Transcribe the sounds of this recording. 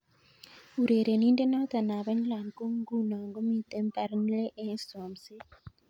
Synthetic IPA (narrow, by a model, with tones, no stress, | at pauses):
u˨ɾe˨ɾe˨niː˦nde˦no˦t̪a˨na˨βe˦ɲ˦la˨nko˦ŋ˦ɡu˦na˨ŋɡo˦mi˦te˦mpa˨ɾi˦n˦le˦ʔe˦nso˨mse˦